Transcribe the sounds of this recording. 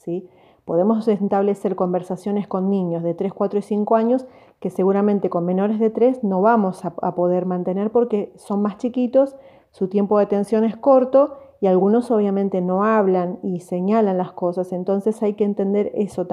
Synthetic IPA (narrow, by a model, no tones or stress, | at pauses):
si | po̞ð̞e̞mo̞sent̪aβ̞le̞se̞ɾko̞mbe̞ɾsasjo̞ne̞sko̞nːĩɲo̞zðe̞t̪ɾe̞shkwat̪ɾoisiŋko̞aɲo̞s | ke̞seɣuɾamẽ̞nt̪e̞ko̞nmẽ̞no̞ɾe̞zðe̞t̪ɾe̞sno̞βamo̞saa̰po̞ð̞e̞ɾmãnt̪e̞ne̞ɾpo̞ɾke̞so̞nmast͡ʃikit̪o̞sː | ut̪je̞mpoðet̪e̞nsjo̞nesko̞ɾt̪o̞ialɣuno̞so̞β̞jamẽ̞nt̪eno̞aβlanise̞ɲalanlasko̞sase̞nt̪o̞nse̞sajkeːnt̪e̞nd̪e̞ɾeso